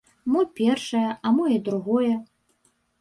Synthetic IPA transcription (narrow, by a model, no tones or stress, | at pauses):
mɔpʲɛrʂɐjɐʔɐmɔjɐd̪ɾuɣɔjɛ